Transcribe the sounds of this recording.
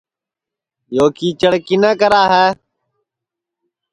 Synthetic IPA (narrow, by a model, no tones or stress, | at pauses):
joːkiːt͡ʃəɽkinəːkəɾaːɦɛː